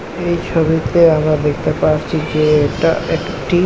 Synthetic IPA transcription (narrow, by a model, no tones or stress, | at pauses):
ejt͡ɕʰobit̪eamɾad̪ekʰt̪epaɾt͡ɕʰid͡ʑeekʈa̰ekʈi